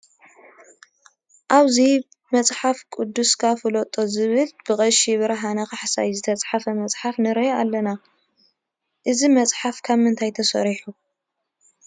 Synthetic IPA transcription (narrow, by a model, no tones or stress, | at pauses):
ʔaβzi | mɐt͡sʼħafkʼud̪ːuskʰafɨlot̪ʼːo̞zɨβɨlb̥ɨkʼɐʃiβɨɾɐɦanɐkaħsa̰jzɨt̪ʰɐt͡sʼħafɐmɐt͡sʼħafnɨɾɐalːɐna | ʔɨzimɐt͡sʼħafkʰaβmɨnt̪ʰajt̪ʰɐsɐ̰ɾiħu